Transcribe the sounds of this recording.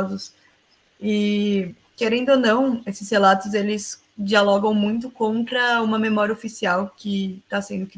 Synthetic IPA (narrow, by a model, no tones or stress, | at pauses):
zʊs | ɪ | keɾẽnd̪onɐ̃w̃esɪshelat̪ʊzelɪs | d͡ʒialɔɡɐ̃w̃mũj̃t̪ʊkõnt̪ɾɐũmɐmemɔɾjɐofisiawkɪt̪asẽnd̪ʊkɪ